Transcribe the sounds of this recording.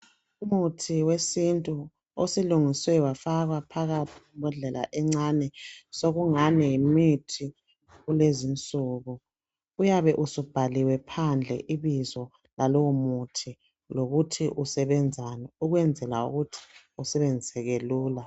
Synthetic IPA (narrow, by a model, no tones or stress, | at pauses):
umutʰiwesintʼu | osiluŋiswɛwafaɣwapʰaɣatʰiɣumbʱɔɮɛla̰ʔɛŋ͡ǀanɛsoɣuŋanɛjimitʰi | ɣulezint͡sʼuːɣu | ujaβɛʔusub̥ʱaliwɛpʰand͡ɮʱɛ̰ʔiβizɔ | lalowumutʰi | loɣutʰiʔusɛβɛnd͡zʱanɛuɣwɛnd͡zʱɛla̰ṵɣutʰi̥ | usɛβend͡zʱisɛɣeluːla